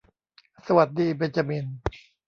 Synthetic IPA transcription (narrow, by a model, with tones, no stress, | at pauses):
sa˧wa˨˩t̪̚diː˧be˧nt͡ɕa˧mi˧n